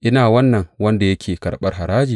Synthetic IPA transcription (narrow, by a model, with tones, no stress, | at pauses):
ʔɪ˦naː˨wɐ˦nːɐ˨ŋwɐ˦nda˨jɐ˦kʲeː˨kɐ˨ɽɓɐ˦rɦa˨ɾaː˦d͡ʒiː˨